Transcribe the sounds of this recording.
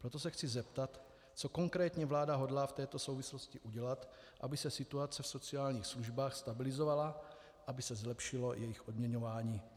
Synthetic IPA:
pɾot̪o̞sɛxt͡sɪzɛpt̪at̪ | t͡soko̞ŋkɾɛːt̪ɲɛvlaːdaɦo̞dlaːft̪ɛːt̪o̞sowvɪslo̞scɪʔuɟɛlat̪ | ʔabɪsɛsɪt̪uat͡sɛfso̞t͡siaːlɲiːxsluʒbaːxst̪abɪlɪzovala | ʔabɪsɛzlɛpʃɪlo̞jɛjɪxʔod̪mɲɛɲo̞vaːɲiː

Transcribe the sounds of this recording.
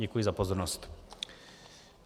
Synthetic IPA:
ɛkujizapɔzɔɾnɔst̪

